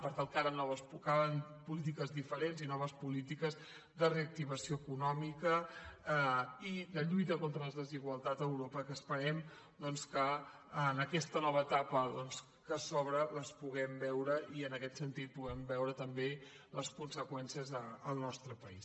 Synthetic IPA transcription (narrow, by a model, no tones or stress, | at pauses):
pəɾt̪alˠkaɾənɔβəspukaβənpulit̪̬ikəzðifəɾenzinɔβəspulit̪ikəz | ðəreək̚t̪iβ̞əsioəkunɔmikə | id̪əʎujt̪əkont̪ɾələzðəziɣwəlˠt̪at̪əwɾopəkəːspəɾɛm | d̪ɔnskəː | nəkɛst̪ənɔβ̞əːt̪apəðɔns | kəsoβɾələspuɣɛmbɛwɾəiənəkɛt̪sənt̪it̪̚puɣɛmbɛwɾət̪əmbe | ləskunsəkwɛnsiəzəəlˠnɔst̪ɾəpəis